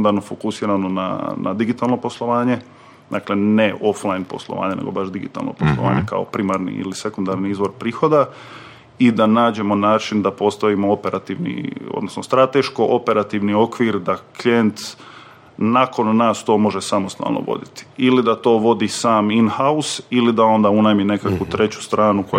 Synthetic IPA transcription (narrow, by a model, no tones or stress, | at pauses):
nd̪aɾnofokusiːɾano̞na̰na̰d̪iɡit̪aːlˠno̞po̞slˠo̞ʋaːɲe̞ | d̪aːkle̞neʔo̞flˠajnpo̞̰slˠoʋa̰ːɲeneɡo̞̰baʃd̪iɡḭt̪a̰lˠno̰poslˠoʋa̰ːɲeka̰opɾimaɾnḭḭlise̞kund̪aɾniizʋo̞ɾpɾiːxo̞d̪a | id̪anaːd͡ʑe̞mo̞naːt͡ʃind̪apo̞st̪aʋimo̞ope̞ɾʔat̪iʋnḭo̰d̪nosnost̪ɾat̪eʃkoʔope̞ɾat̪iʋnio̞kʋiɾd̪aklient̪ | nako̞nːaːst̪o̞ːmo̞ʒesamost̪a̰lˠno̰ʋo̞̰d̪it̪i̥ilid̪at̪o̞ːʋo̞d̪isaːminhausilid̪ao̞nd̪aunajmine̞kakʋut̪ɾe̞t͡ɕu̥st̪ɾaːnuko